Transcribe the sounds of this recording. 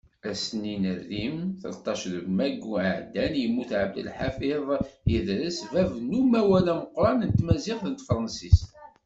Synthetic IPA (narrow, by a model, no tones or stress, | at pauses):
æsninərːimθə̰lt̪ˤːɑʃðəbmæɡuʕəʕd̪ænjəmːuθʕəb̚d̪ə̰lħafɪðˤjiðɾəsvævnumæwælæməqɾˤɑnənt̪mæziħθənt̪fɾˤɑnsist̪